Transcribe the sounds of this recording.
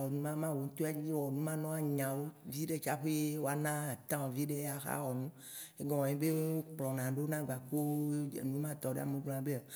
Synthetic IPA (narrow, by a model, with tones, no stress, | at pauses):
ɔ˨nũ˦mã˦mã˦wo˨ŋũ˦t̪o˦a˦d͡ʑi˦wɔ˨nũ˦mã˦nɔ̃˦a˨ɲã˨wo˦vi˦ɖe˦t͡ʃa˦ɸe˦je˦wo˦a˨nã˦˨t̪ã˦wɔ˨vi˦ɖe˦a˨xa̰˦wɔ˨nũ˦ | e˦ɡɔ̃˨wɔ̃˨ẽ˦be˦wo˦o˦k͡plɔ̃˨nã˨ɖe˦o˦nã˦ɡ͡ba˨ko˦e˦d͡ʒḛ˨nũ˦mã˦t̪ɔ˨ɖḛ˦a˨me˦ɡ͡bl̃ã˨˦be˦a˨